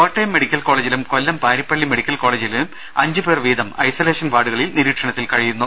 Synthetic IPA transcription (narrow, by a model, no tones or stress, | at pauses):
koʈːɐjmːeɽikʲːɐlko̞ːɭed͡ʑilumko̞lːɐmpaːɾipːɐɭːimeɽikʲːɐlko̞ːɭeːd͡ʑilum | ɐɲd͡ʑɨberʋiːd̪ɐmɐ̰jsoːleːʂɐnʋaːɽuɣɐɭilniɾiːʈʂɐɳɐt̪ːilkɐɻijunːu